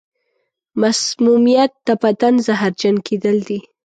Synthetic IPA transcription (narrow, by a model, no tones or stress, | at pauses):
masmumijat̪ːapat̪anzaɦaɾd͡ʒankʰed̪əld̪i